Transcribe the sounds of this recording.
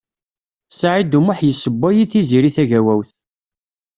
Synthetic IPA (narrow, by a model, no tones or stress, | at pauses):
saʕid̪umʊħjəsːəbːæjiθiziɾiθæʝæwæwθ